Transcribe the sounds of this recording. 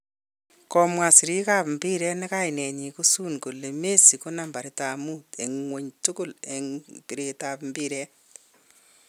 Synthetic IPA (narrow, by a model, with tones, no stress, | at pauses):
kɔmwa˨si˨ɾi˦ka˦pmbi˦ɾɛ˦nɛ˦ka˦jnɛ˨ɲi˨ko˦su˦nko˨le˨me˦si˨ko˦na˨mba˨ɾɪ˦ta˨mu˦te˨ŋŋwo˨ɲtʊ˦kʊ˦˨leŋpi˨ɾe˧tapmbi˦ɾɛ˦